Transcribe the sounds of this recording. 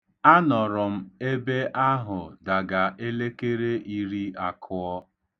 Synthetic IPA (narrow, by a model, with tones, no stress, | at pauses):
a˦nɔ˨ɾʊ˨m̩˦e˦be˦ʔa˦ɦʊ˨da˨ɡa˨ʔe˦le˦ke˦ɾe˦ʔi˦ɾi˦a˨kʰʊ˦ɔ˦